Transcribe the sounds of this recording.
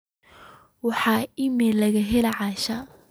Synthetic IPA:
wɑħɑːɪmɛːlɐɣɐɦɛlɐʕɑːʃɐ

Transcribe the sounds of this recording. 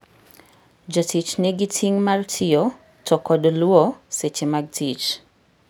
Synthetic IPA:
d͡ʒatit͡ʃnɪɡitʰiŋmartʰɪjɔ | tʰɔkɔdlwɔset͡ʃemaɡ̚tʰit͡ʃ

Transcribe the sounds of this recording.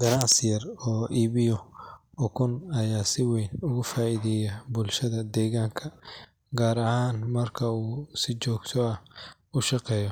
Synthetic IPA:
ɡɐnɑʕsɪjɐrɔːʔiːβɪjɔ | ɔkʰʊnɐjaːsɪwɛːnʊɣʊfaːiːðɛjɐbʊlʃɐðɐd̪ɛːɣaːŋkʰɐ | ɡaːɾɐhaːnmɐrkʰɐuːsɪt͡ʃɔːɡt̪ʰɔɐ | ʊʃɑqɛːjɔ

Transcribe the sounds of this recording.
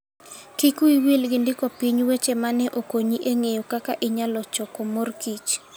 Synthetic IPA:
kikuiwilɡɪndɪkɔpiɲwet͡ʃemanɛʔokoɲiʔeŋejokakaʔɪɲalɔt͡ʃɔkomorkit͡ʃ

